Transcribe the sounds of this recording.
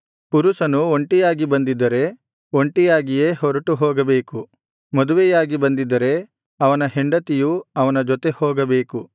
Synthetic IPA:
puɾusɐnuoɳʈijaːɡibɐnd̪id̪ɐɾe̞ | oɳʈijaːɡijeːɦɔɾɐʈuɦɔːɡɐbe̞ːku | mɔd̪uʋɛjaːɡibɐnd̪id̪ːɐɾe̞ | ɐʋɐnɐɦeɳɖɐt̪ijuɐʋɐnɐd͡ʒɔt̪e̞hɔːɡɐbe̞ːku

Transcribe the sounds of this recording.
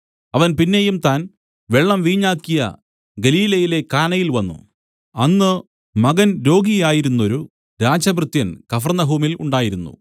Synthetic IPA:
ɐʋɐnpinːe̞jumt̪aːn | ʋe̞ɭːɐmʋiːɲːaːkːijɐ̰ | ɡɐliːlɐjile̞kaːnɐjilʋɐnːṵ | ɐnːɨ | mɐɡɐnɾo̞ːɡijaːjiɾunːo̞ɾu | ɾaːd͡ʑɐbrɨt̪jɐnkɐfɐrnɐɦuːmiluɳɖaːjiɾunːṵ

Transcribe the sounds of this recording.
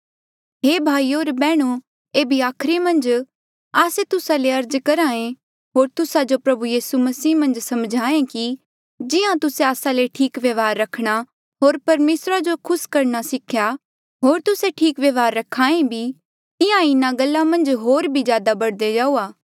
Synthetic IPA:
ɦeːbʱaːioːɾbɛːɽ̃u | eːbʱiaːkʰɾemɐ̃nd͡ʒ | aːset̪ʊsaleɐɾd͡ʒkɐɾaːẽ | ɦoːɾt̪ʊsad͡ʒopɾɐbujiːsumɐsiːmɐ̃nd͡ʒsɐmd͡ʒʱaːẽki | d͡ʒɪãt̪ʊseaːsaleʈʰiːkʋjɐʋaːɾːɐkʰɽ̃a | ɦoːɾpɐɾmeːsɾad͡ʒokʰʊskɐɾnasɪkʰja | ɦoːɾt̪ʊseʈʰiːkʋjeʋaːɾːɐkʰːaːẽbʱi | ɪãɪnãɡɐlːãmɐ̃nd͡ʒɦoːɾbʱizjaːd̪abɐɽd̪ed͡ʒaːuːaː

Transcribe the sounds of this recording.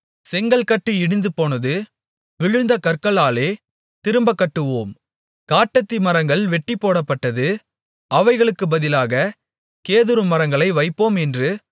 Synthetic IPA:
sɛŋɡɐɭkɐʈːɯɪɽɯnd̪ɯpoːnɐðɯ | ʋɪɻɯnd̪ɐkɐɾkɐɭaːleː | t̪ɪɾɯmbɐkːɐʈːɯʋoːm | kaːʈːɐt̪ːimɐɾɐŋɡɐɭʋɛʈːipːoːɽɐpːɐʈːɐðɯ | ʔɐʋɐɪɣɐɭɯkːɯbɐðɪlaːɣɐ | keːðɯɾɯmɐɾɐŋɡɐɭɐɪʋɐɪpːoːmɛndrɯ

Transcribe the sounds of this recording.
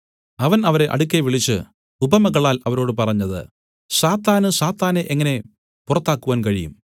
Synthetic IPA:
ɐʋɐnɐʋɐɾe̞ʔɐ̰ɽukʲːeʋiɭit͡ɕːɨ̰ | ubɐmɐɣɐɭaːlɐʋɐɾo̞ːɽɨpɐrɐɲːɐðɨ̰ | saːt̪ːaːnɨsaːt̪ːaːneʔeŋːɐne̞ | purɐt̪ːaːkːuʋaːnkɐɻijṵm

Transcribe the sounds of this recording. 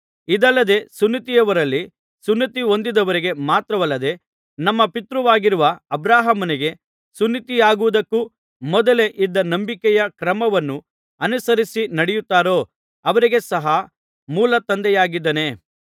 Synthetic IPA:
id̪ɐlːɐd̪e̞sunːit̪ijɐʋɐɾɐlːi | sunːit̪io̞nd̪id̪ɐʋɐɾiɡe̞maːt̪ɾɐʋɐlːɐd̪e̞ | nɐmːɐpit̪ɾuʋaːɡiɾuʋɐɐbɾaːɦɐmɐniɡe̞ | sunːit̪ijaːɡuʋud̪ɐkːuː | mɔd̪ɐle̞ʔid̪ːɐnɐmbikɛjɐkɾɐmɐʋɐnːu | ɐnusɐɾisinɐɽɛjut̪ːaːɾo̞ː | ɐʋɐɾiɡe̞sɐɦɐ | muːlɐt̪ɐnd̪ɛjaːɡid̪ːɐne̞

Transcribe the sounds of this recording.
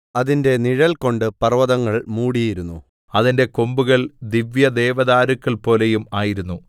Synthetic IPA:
ɐðinde̞niɻɐlko̞ɳɖɨpɐrʋɐðɐŋːɐɭmuːɽijiɾunːu | ɐðinde̞kombuɣɐɭd̪iʋjɐd̪e̞ːʋɐðaːɾukːɐɭpo̞ːlejumaːjiɾunːu

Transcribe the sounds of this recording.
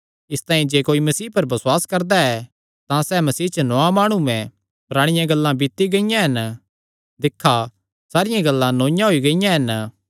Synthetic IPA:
ɪst̪ãːĩd͡ʒeːkoːimɐsiːpɐɾbɐswaːskɐɾd̪aɛ | t̪ãsɛmɐsiːt͡ʃənɔãmaːɽ̃umɛ̃ | pɐɾaːɽ̃ɪjãɡɐlːãbɪt̪ːiɡɐɪjãɦɐn | d̪ɪkʰːa | saːɾɪjãɡɐlːãnoːɪ̃jãɦoiɡɐɪjãɦɐn

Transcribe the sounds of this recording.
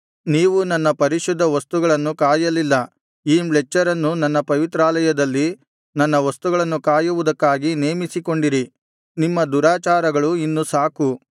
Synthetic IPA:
niːʋunɐnːɐpɐɾiʃud̪ʱːɐʋɐst̪uɡɐɭɐnːukaːjɐlilːɐ | iːmɭɛt͡ʃːɐɾɐnːunɐnːɐpɐʋit̪ɾaːlɐjɐd̪ɐlːi | nɐnːɐʋɐst̪uɡɐɭɐnːukaːjuʋud̪ɐkːaːɡine̞ːmisiko̞ɳɖiɾi | nimːɐd̪uɾaːt͡ʃaːɾɐɡɐɭuinːusaːku

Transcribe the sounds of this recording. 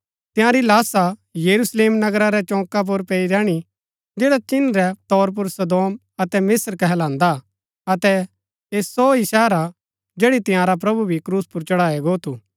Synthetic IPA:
t̪ɪ̃jãːɾilaːsajɐɾusleːmnɐɡɾaɾɛt͡ʃɔ̃ːkap̬ʊɾpɛːiɾɛ̃ːɽ̃i | d͡ʒeːɽat͡ʃɪnɾɛt̪ɔːɾp̬ʊɾsɐd̪oːm | ɐt̪ɛmɪsɾkɛɦɛlãːnd̪a | ɐt̪ɛ | eːsɔisɛːɾa | d͡ʒeːɽit̪ɪ̃jãːɾap̬ɾɐbubʱikɾuːspʊɾt͡ʃɐɽaːɛɡoːt̪u

